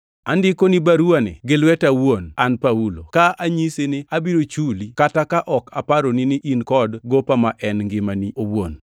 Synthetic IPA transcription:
andɪkonibaɾuanḛɡɪlwɛtawonanpaulo̰kaaɲiseneabiɾot͡ʃulikatakaʔɔkapaɾoninɪʔinkɔdɡopamaʔɛnŋɡɪmaniʔowon

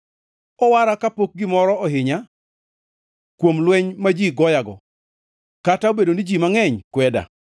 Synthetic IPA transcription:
ɔwaɾakapok̚ɡɪmɔɾɔɔɦɪɲa | kwomlwɛɲmad͡ʒiɡɔjaɡɔ | kataobedonid͡ʒimaŋɛɲkwɛda̰

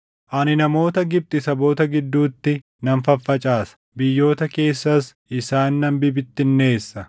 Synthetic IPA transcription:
ʔɐnɪnɐmo̞ːt̪ɐɡɪb̚t̪ʼɪsɐbo̞ːt̪ɐɡɪd̪ːuːt̪ːɪ | nɐnfɐfːɐt͡ʃʼaːsɐ̥ | bɪjːo̞ːt̪ɐke̞ːsːɐs | ɪsaːnːɐmbɪbɪt̪ːɪnːe̞ːsːɐ

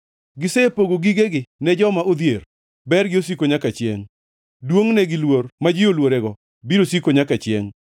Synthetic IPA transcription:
ɡɪsepoɡoɡiɡeɡɪnɛd͡ʒɔmaʔod̪jer | bɛɾɡɪos̬ikoɲakat͡ʃjḛŋ | dwoŋnɛɡɪlwormad͡ʒɪjolwoɾɛɡɔ | biɾosikoɲakat͡ʃjḛŋ

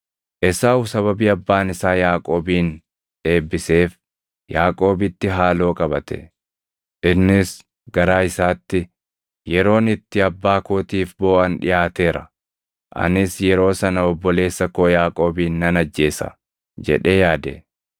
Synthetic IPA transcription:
ʔɛsaːʊsɐβɐbiːɐbːaːnɪsaːjaːkʼo̞ːbiːn | ᶑe̞ːbːɪse̞ːf | jaːkʼo̞ːbɪt̪ːɪɦaːlo̞ːkʼɐbɐt̪ɛ̥̰ | ʔɪnːɪs | ɡɐɾaːɪsaːt̪ːɪ | jɛɾo̞ːnɪt̪ːɪɐbːaːkoːt̪iːfbo̞ːʔɐnᶑɪ̰jaːt̪e̞ːɾɐ̰ | ʔɐ̰nɪsjɛɾo̞ːsɐnɐɔbːɔle̞ːsːɐkoːjaːkʼo̞ːbiːnːɐnɐd͡ʒːe̞ːsɐ̰ | d͡ʒɛ̰ᶑe̞ːjaːd̪ɛ̰

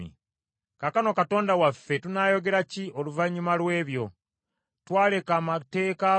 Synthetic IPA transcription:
ḭ | kakano̞kato̞ːndawafːe̞tunaːjo̞ɡe̞ɾacio̞luvaɲːumalwe̞ːβjo̞ | twaːle̞kaːmate̞ːka

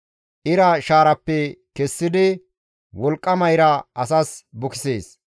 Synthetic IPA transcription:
ʔɪɾɐʃaːɾɐpːɛkɛsːɪd̪ɪ | wɔlkʼːɐmɐjɾɐʔɐsɐsbʊkɪ̥seːs

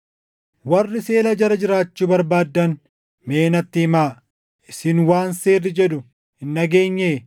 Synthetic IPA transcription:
wɐrːɪse̞ːlɐd͡ʒɐɾɐd͡ʒɪɾaːt͡ʃːuːbɐɾbaːd̪ːɐn | me̞ːnɐt̪ːɪɪmaː | ɪsɪnwaːnseːrːɪd͡ʒɛd̪ʊ | ɪnːɐɡeːɲːeː

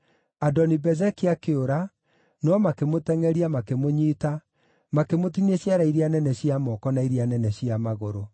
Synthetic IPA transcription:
adɔnibɛzɛkeakeoɾa | nɔmakemotɛŋɛɾiamakemoɲiːta | makemotineɕjaɾaiɾianɛnɛɕiamɔkɔnaiɾianɛnɛɕiamaɣoɾo

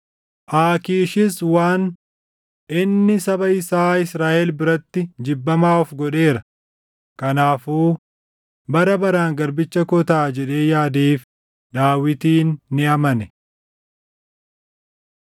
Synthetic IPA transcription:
ʔaːkiːʃɪswaːn | ʔɪnːɪsɐbɐɪsaːɪsɾaːʔɛlbɪɾɐt̪ːɪd͡ʒɪbːɐmaːɔfɡɔᶑe̞ːɾɐ | kɐnaːfuː | bɐɾɐbɐɾaːŋɡɐɾbɪt͡ʃːɐkɔt̪aːd͡ʒɛᶑe̞ːjaːd̪eːf | d̪aːwɪt̪iːnːɪɐmɐnɛ

